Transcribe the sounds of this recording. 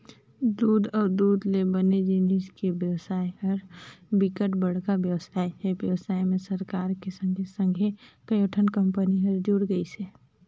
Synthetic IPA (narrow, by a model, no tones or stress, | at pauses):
d̪uːd̪ʱɔːɾd̪uːd̪lebəned͡ʒɪniskebjəwsaːɦəɾbɪkəʈbəɽ̤kabjəwsaːjɦɛbjəwsaːjmẽsəɾkaːɾkesə̃ŋɡʱesə̃ŋɡʱekəjoʈʰənkə̃mpəniɦəɾd͡ʒuːɽɡəise